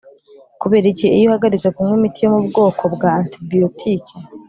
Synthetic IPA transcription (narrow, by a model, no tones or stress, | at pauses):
kuβe̞ːɾiɟeːjohaɡaɾizakumwemitijo̞mubɡo̞ːkʰo̞bɡaːntibijotʰiːkʰe